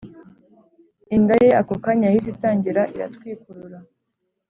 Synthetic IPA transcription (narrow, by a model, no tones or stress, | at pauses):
indaje̞ʔakokaɲahizitaːɲɟiɾaʔiɾa̰twiːkuɾuɾa